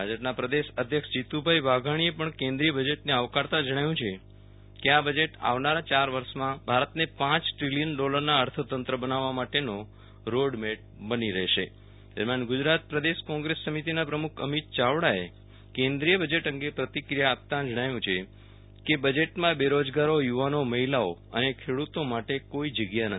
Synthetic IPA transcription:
bʱad͡ʒəpnapɾəd̪eʃəd̪ʱjəkʃd͡ʒit̪ubʱajʋaɡʱaɽ̃iepəɳkẽnd̪ɾijəbəd͡ʒeʈneaʋkaɾt̪ãd͡ʒəɽ̃ajũt͡ʃʰe | keabəd͡ʒeʈa̰ʋnaɾat͡ʃaɾʋəɾʃmãbʱaɾət̪nepãt͡ʃʈɾilijənɖɔləɾnaəɾt̪ʰət̪ənt̪ɾəbənaʋːamaʈeno | ɾoɽmeʈ̚ | bəniɾəɦʃḛ | t̪ə̰ɾmjanɡʊd͡ʒɾat̪̚pɾəd̪eʃkɔ̃ŋɡɾesːəmit̪inapɾəmukʰə̰mit̪̚t͡ʃaʋɽae | kẽnd̪ɾijəbəd͡ʒeʈəŋɡepɾət̪ikɾijaːp̚t̪ãd͡ʒəɽ̃ajũt͡ʃʰe | kebəd͡ʒeʈmãbeɾod͡ʒɡaɾojuʋanoməɦilaoə̰nekʰeɽut̪omaʈekoid͡ʒəɡjanət̪ʰi

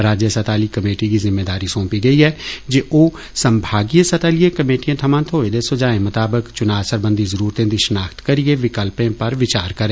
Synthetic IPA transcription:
ɾaːd͡ʒjəsɐt̪aːlikɐmeːʈikizɪmːeːd̪aːɾisõːpiɡɐiɦɛd͡ʒeʔoː | sɐ̃mbʱaːɡijəsɐt̪aːlijekɐmeːʈijẽt̪ʰɐmãːnt̪ʰoːed̪esod͡ʒaːẽmʊt̪aːbəkt͡ʃʊnaːʋsəɾbə̃nd̪izɐɾuːɾt̪ẽd̪iʃnaːxt̪kɐɾieʋɪkəlpẽpɐɾʋɪt͡ʃaːɾkɐɾẽː

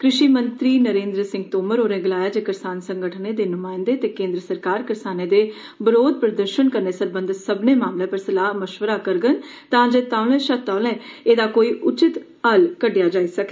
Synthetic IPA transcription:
kɾɪʃiːmənt̪ɾiːnəɾẽːnd̪ɾəsɪ̃ŋɡt̪oːməɾoːɾẽːɡɪlaːjaːd͡ʒeːkɪɾsaːnsəŋɡəʈʰneːd̪eːnʊmaːɪ̃nd̪eːt̪eːkẽːnd̪ɾəsəɾkaːɾkɪɾsaːneːd̪eː | bɪɾoːd̪̚pɾəd̪əɾʃənkəɾneːsəɾbənd̪səbneːmaːmlẽːpəɾsəlaːɦməʃʋəɾaːkəɾɡən | t̪ãːd͡ʒeːt̪aːlɛ̃ːʃət̪aːlɛ̃ːeːd̪aːkoːiːʔʊt͡ʃɪt̪ | əlkəɖɪjaːd͡ʒaːiːsəkeː

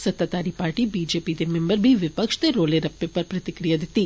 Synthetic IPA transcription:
sɐt̪ːat̪aːɾipaːɾʈibiːd͡ʒeːpid̪emɛ̃mbəɾbʱiʋɪpəkʃd̪eɾoːleɾɐpːepɐɾpɾɐt̪ɪkɾijad̪ɪt̪iː

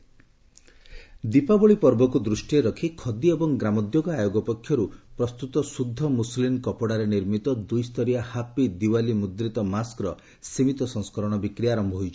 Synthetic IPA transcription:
d̪ipabɔɭipɔɾbɔkud̪ɾusʈieɾɔkʰikʰɔd̪iebɔŋɡɾamɔd̪joɡɔajoɡɔpɔkʰːjɔɾupɾɔst̪ut̪ɔsud̪ʱːɔmuslimkɔpɔɽaɾeniɾmit̪ɔd̪ujst̪ʰɔɾijahapid̪iwalimud̪ɾit̪ɔmaskɾɔ | simit̪ɔsɔ̃ŋskɔɾɔɽ̃ɔbikɾijaɾɔmbʱɔɦojt͡ʃʰɔ̥

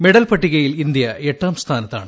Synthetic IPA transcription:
meɽɐlpɐʈːiɣɐjilind̪jɐeʈːaːmst̪ʰaːnɐt̪ːa̰ːɳɨ

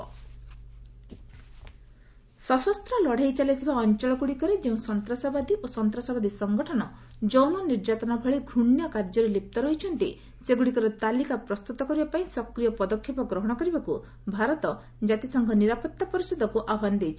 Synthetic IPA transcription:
sɔsɔst̪ɾɔlɔɽ̤ejt͡ʃalit̪ʰibaɔnt͡ʃɔɭɔɡuɽikɔɾed͡ʒeũsɔnt̪ɾasabad̪iʔosɔnt̪ɾasabad̪isɔŋɡɔʈʰɔnɔ | d͡ʒɔwnɔniɾd͡ʒat̪ɔnabʱɔɭiɡʱuɳjɔkaɾd͡ʒɔɾelip̚t̪ɔɾɔɦit͡ʃʰɔnt̪i | seɡuɽikɔɾet̪alikapɾɔst̪ut̪ɔkɔɾibapaĩsɔkɾijɔpɔd̪ɔkʰːjepɔɡɾɔɦɔɽ̃ɔkɔɾibaku | bʱaɾɔt̪ɔ | d͡ʒat̪isɔŋɡʱɔniɾapɔt̪ːapɔɾisɔd̪ʱɔkuʔabʱand̪ejt͡ʃʰi̥

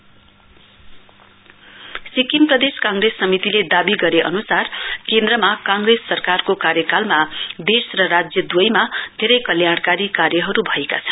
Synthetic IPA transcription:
sikimprʌd̪eskãŋɡresːʌmit̪iled̪abiɡʌɾeʔʌ̰nusarkend̪rʌmakãŋɡresːʌrkarkokarjʌkalmad̪esrʌrad͡zjʌd̪wojmad̪ʱeɾʌjkʌljaɽkaɾikarjʌɦʌɾubʱʌeka̰t͡sʰʌ̥n

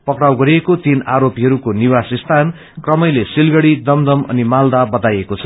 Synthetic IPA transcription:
pʌkrawɡʌɾiekot̪inaɾopiɦʌɾukoniwasist̪ʰan | krʌmʌjlesilɡʌɽid̪ʌmd̪ʌmʌ̰nimald̪abʌt̪ajekot͡sʰʌ̥

